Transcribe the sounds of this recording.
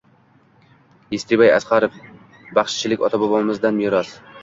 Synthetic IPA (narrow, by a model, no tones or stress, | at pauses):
jest̪ʰɪbaja̰sqɑɾɪf | bɑχʃt͡ʃʰɪlɪkʲɒ̰t̪ʰabɒbɒnmɪzd̪anjɪɾɒs